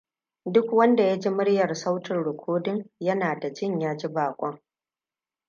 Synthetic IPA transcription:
dʊ˦kwɐ˦nda˨ja˦d͡ʒi˦mʊ˦ɽjɐ˨rsa˦wtɪ˨nɽʊ˨kʷʰoː˦dɪ˦ŋjɐ˦naː˨da˨d͡ʒɪ˦ɲjaː˦d͡ʒi˦baː˨kʷʼɔ˦ŋ

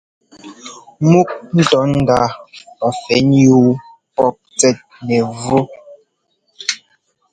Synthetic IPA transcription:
mu˦k̚n̩˦tɔ˨˦n̩˦da˦ɔ˨fɛ˨nju˦ | pɔ˦p̚t͡sɛ˦t̚nɛ˨vo˦

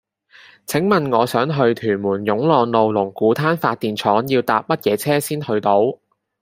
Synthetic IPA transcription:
t͡sʰɪ˨˥ŋmɐ˨nŋɔː˨˧sœː˨˥ŋɦɵ˧ɥt̪ʰyː˨˩nmuː˨˩njʊ˨˥ŋlɔː˨ŋlo˨˧wlʊ˨˩ŋkuː˨˥t̪ʰaː˥nfaː˧t̚t̪iː˨nt͡ʃʰɔː˨˥ŋjiː˧wt̪aː˧p̚mɐ˥t̚jɛː˨˧˥t͡sʰɛː˥siː˥nhɵ˧ɥt̪o˨˧˥w

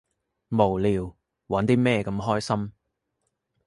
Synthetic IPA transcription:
mo˨˩wliː˨w | wɐ˨˥nt̪iː˥mɛː˥˧kɐ˨˧˥mɦɔː˥jsɐ˥m

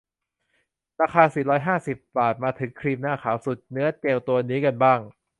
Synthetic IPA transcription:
ɾaː˧xʰaː˧siː˨˩ɾɔː˦˥jɦaː˥˩si˨˩p̚baː˨˩t̪̚maː˧t̪ʰɯ˩˦ŋkʰɾiː˧mnaː˥˩kʰaː˩˦wsu˨˩t̪̚nɯ˦˥ɐt͡ɕeː˧wt̪u˧ɐniː˦˥ka˧nbaː˥˩ŋ

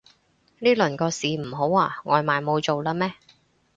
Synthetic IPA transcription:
niː˥lɵ˨˩nkɔː˧siː˨m̩˨˩ɦo˨˥waː˧ŋɔː˨˧jmaː˨˩jmo˨˧wt͡so˨wlaː˧mɛː˥

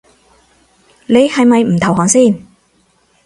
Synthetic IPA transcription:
ne˨˧jhɐ˨jmɐ˨jm̩˨˩t̪ʰɐ˨˩wɦɔː˨˥ŋsiː˥˩n

